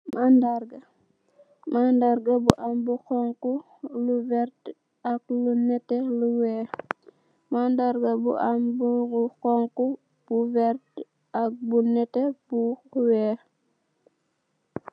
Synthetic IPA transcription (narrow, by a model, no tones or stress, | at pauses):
mandarɡɐ | mandaɾɡɐbuʔambuxɔŋku | luvɛɾt | ɐk̚lunɛtɛluwɛː | mandaɾɡɐbṵʔambkɔŋku | b̥uvɛrt | ak̚bunɛtɛbuwɛː